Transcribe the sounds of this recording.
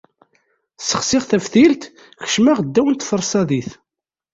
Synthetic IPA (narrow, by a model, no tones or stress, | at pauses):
səχsɪʁθæfθilt̪ | çə̥ʃmæʁəd̪ːæwənt̪fəɾˤsˤɑðiθ